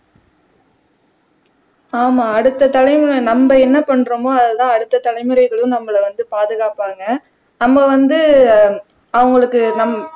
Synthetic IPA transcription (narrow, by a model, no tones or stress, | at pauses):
aːmaːɐɽɯt̪ːɐt̪ɐlɐɪmɯɾɐɪnɐmbɐɛnːɐpɐɳːɯɾɐmoːɐðɯt̪ãːɐɽɯt̪ːɐt̪ɐlɐɪmɯɾɐɪɣɐɭjʊ̃mnɐmːɐɭɐʋɐnd̪ɯpaːðɯɣaːpaːŋɡɐ | nɐmːɐʋɐnd̪ɯ | ɐʋɐŋɡɐɭɯkːɯnɐmɐ